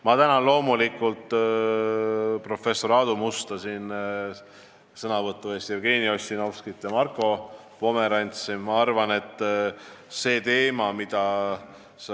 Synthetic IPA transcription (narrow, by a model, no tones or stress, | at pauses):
mɑt̪ænɑlo̞ːmulikːˑult̪ˑ | pro̞fe̞sːo̞ɾɑːd̪̥umust̪ɑsin | sɤnɑvɤt̪ˑːue̞ːst̪jerɡ̥iːnio̞sʲinofskit̪ːˑjɑmɑrkːˑo̞ | po̞me̞ɾɑnʲt̪simmɑɑrvɑne̞t̪ːˑ | se̞ːt̪e̞ːmɑmid̪̥ɑ